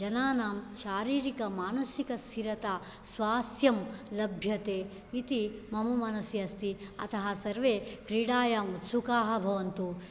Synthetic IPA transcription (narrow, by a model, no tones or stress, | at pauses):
d͡ʒɐnaːnaːmʃaːɾiːɾikɐmaːnɐsikɐst̪ʰiɾɐt̪a | sʋaːsjɐmlɐbʱjɐt̪eː | it̪imɐmɐmɐnɐsjɐst̪iɐ̰t̪ɐɦɐsɐɾʋeːkɾiːɽaːjɐːmut̪sukaːɦɐbʱɐʋɐnt̪u